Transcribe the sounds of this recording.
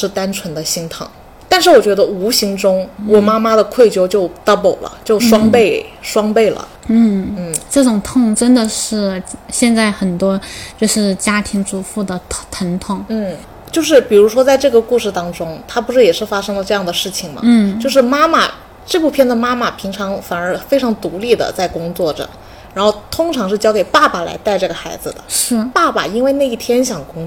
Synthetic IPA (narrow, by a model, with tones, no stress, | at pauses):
ʂɻ̩˥˩t̪a˥nʈ͡ʂʰwə˧˥nd̪ə˧ɕi˧˥ŋt̪ʰɤ̰˨˩˦ŋ | t̪a˥˧nʂɻ̩˥˩wɔ˨˩t͡ɕɥɛ˧˥d̪ə˧u˧˥ɕi˧˥ŋʈ͡ʂʊ˥ŋwɔ˨˩ma˥ma˥d̪ə˨kʰwe˥˩ɪt͡ɕjo˥ʊt͡ɕjo˥˩ʊt̪a˥po˨˩ʊlə̰˦t͡ɕjo˥˩ʊʂwɑ˥ŋpe˥˩ɪʂwɑ˥ŋpe˥˩ɪlə̰˩ | n̩˥˩n̩˥˩ʈ͡ʂɤ˥˩ʈ͡ʂʊ˨˩ŋt̪ʰʊ˥˧ŋʈ͡ʂə˥nd̪ə˨ʂɻ̩˥˩ɕjɛ˥˧nt͡sa˥˩ɪxə˨˩nt̪wɔ˥t͡ɕjo˥˧ʊʂɻ̩˥˩t͡ɕja˥t̪ʰi˧˥ŋʈ͡ʂu˧˥fu˥˩d̪ə˩t̪ʰə˧˥nt̪ʰʊ˥˩ŋn̩˥˩ | t͡ɕjo˥˧ʊʂ̬ɻ̩˥˩pi˨˩ɻu˧˥ʂwɔ˥t͡sa˥˧ɪʈ͡ʂɤ˥˩ɡə˩ku˥˧ʂɻ̩˥˩t̪ɑ˥ŋʈ͡ʂʊ˥ŋt̪ʰa˥pu˧˥ʂɻ̩˥˩jɛ˨˩ʂɻ̩˥˩fa˥ʂɤ˥ŋlə˨˧ʈ͡ʂɤ˥˧jɑ˥˩ŋd̪ə˩ʂɻ̩˥˩t͡ɕʰi˨˩ŋmɐ̰˧n̩˥˩jo˥˧ʊʂɻ̩˥˩ma˥ma̰˨˩ | ʈ͡ʂɤ˥˧pu˥˧pʰjɛ˥˩nd̪ə˩ma˥ma˨˩pʰi˧˥ŋʈ͡ʂʰɑ˧˥ŋfa˨˩nə˞˧˥fe˥ɪʈ͡ʂʰɑ˧˥ŋt̪u˧˥li˥˩d̪ə̰˩t͡sa˥˩ɪkʊ˥ŋt͡swɔ˥˩ʈ͡ʂə̰˩ | ɻa˧˥nxo˥˩ʊt̪ʰʊ˥ŋʈ͡ʂʰɑ˧˥ŋʂ̬ɻ̩˥˩t͡ɕjɑ˥ʊke˨˩ɪpa˥˩pa˨˩la̰˧˥ɪt̪a˥˧ɪʈ͡ʂɤ˥˩ɡə˩xa˧˥ɪd͡zɹ̩˧˩d̪ə̰˩ʂɻ̩˥˩pa˥˩pa̰˨˩i˥nwe˥˧ɪna˥˧ɪi˥˩t̪ʰjɛ˥nɕjɑ˨˩ŋkʊ˥ŋ